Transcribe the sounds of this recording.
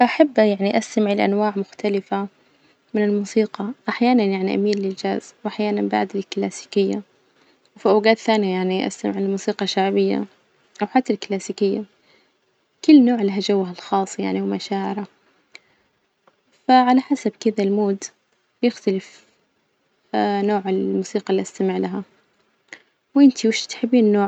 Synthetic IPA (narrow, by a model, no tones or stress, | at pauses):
ʔaħabːjaʕniʔast̪amʕɪlʔa̰nwaːʕmʊxt̪alɪfa | mɪnɪlmuːsiːqɑʔaħjaːnanjaʕniʔa̰miːnlɪld͡ʒaːzwʔaħjaːnanba̰ʕd̪ɪlklaːsiːkɪjːa̰ | wfiʔawɡaːt̪θaːnijajaʕniʔa̰st̪a̰mɪʕɪllmuːsiːqɑʃːaʕbɪjːa̰ | ʔawħat̪ːalklaːsiːkɪjːa | kʊlːnoːʕɪlːɦad͡ʒawːaɦalxɑːsˤːja̰ʕniwmaʃaːʕɪɾa | faʕalaħasabkɪðalmoːd̪ | bjɪxt̪alɪf | noːʕɪlmuːsiːqɑlːiʔast̪amɪʕlaɦa | wʔɪnt̪ʰiwɪʃt̪ħɪbːiːnːoː